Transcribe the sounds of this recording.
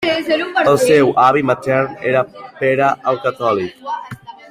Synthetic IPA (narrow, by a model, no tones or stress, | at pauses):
əlˠsɛwʔaβimat̪ɛɾneɾapeɾaʔəlˠkat̪ɔlik̚